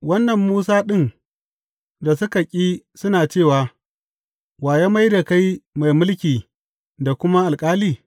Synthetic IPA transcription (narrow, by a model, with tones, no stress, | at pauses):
wɐ˦nːɐ˨mːuː˦saː˦ɗɪ˦˨n | da˨sʊ˦ka˨kʲʼiː˦ | sʊ˦naː˨t͡ʃeː˦˨waː˨ | waː˨ja˦ma˦jda˨ka˦jma˨jmʊ˦lkʲiː˨ | da˨kʷʊ˦ma˦ʔa˨lkʼaː˦liː˨